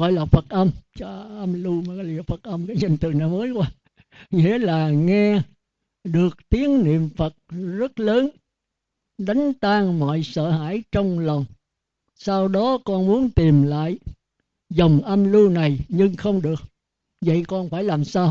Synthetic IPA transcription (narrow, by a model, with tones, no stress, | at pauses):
ɣɔ̰˧˨jlaː˨˩fə˨˩t̚ʔə˧mt͡ɕɔ˧˩ʔə˧mlu˧mː˨˩˧li˧˨˩fə˨˩t̚ʔə˧mkaː˨˦jɲə˨˩ŋ̟t̪ɨ˨˩əŋna˨˩məː˨˦jkwaː˧ | ŋḭ˧˥ə˦laː˨˩ŋɛ˧ | ɗɨ˨˩ək̚t̪i˨˦əŋnḭ˧˨əmfə˨˩t̚zə˦˥t̚ləː˨˦n | ɗa˨˦jŋ̟t̪aː˧ŋmɔ̰˧˨jsə̰ː˧˨ha̰ː˧˩˨jt͡ɕɔ˧wŋ͡mlə˨˩wŋ͡m | saː˧wɗɔ˨˦kɔ˧nmu˨˦ənt̪i˨˩mla̰ː˧˨j | zə˨˩wŋ͡mʔə˧mlu˧na˨˩jɲɨ˧ŋxə˧wŋ͡mɗɨ˨˩ək̚ | və̰˧˨jkɔ˧nfaː˧˩jlaː˨˩msaː˧w